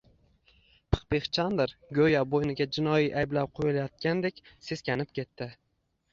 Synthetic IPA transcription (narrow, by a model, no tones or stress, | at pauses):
pʰɨ̥qbeχt͡ʃʰand̪ɪɾɡɵjabojnɪɡʲad͡ʒɪnɒjiʔajblap̚qʰojɪlajɒt̪̚kʲand̪ekʲse̞skʲanɪpkʲʰe̞t̪ːɪ